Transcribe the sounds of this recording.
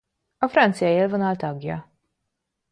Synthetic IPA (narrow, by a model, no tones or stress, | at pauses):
ɐfɾɐnt͡sjɐjɛlvɐnɐlt̪ɐɡjɐ̰